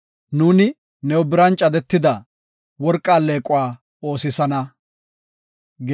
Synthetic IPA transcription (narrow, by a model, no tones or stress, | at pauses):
nuːnɪ | nɛwʊbɪɾɐnt͡ʃʼɐd̪ɛt̪ːɪd̪ɐ | wɔɾkʼːaːleːkʼʊwaː | o̞ːsɪsɐnɐ | ɡ